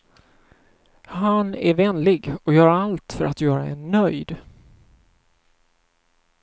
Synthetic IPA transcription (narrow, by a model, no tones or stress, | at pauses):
hanæɾvɛnlɪɡɔjœːɾaalt̪fœɾat̪jœːɾaɛnːœjd̪